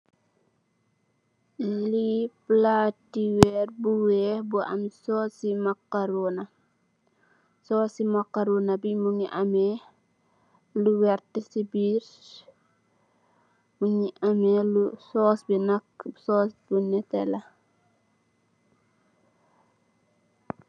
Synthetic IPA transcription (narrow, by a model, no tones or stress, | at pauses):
liplatːiwɛrbuwɛːbuʔɐ̰msɔːsimɐkːaɾunɐ | sɔːsimɐkːaɾunɐbimuŋiʔɐmɛ | luwɛrtəsibiːɾ | muɲiʔɐmɛlusɔːsbinɐksɔːsbunɛtɛlɐ